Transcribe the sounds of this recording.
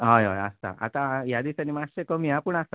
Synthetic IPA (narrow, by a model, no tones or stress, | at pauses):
ɦajɦaja̰st̪a̰ʔa̰t̪ãjad̪isanimat͡ɕəkəmiãpəɳast̪a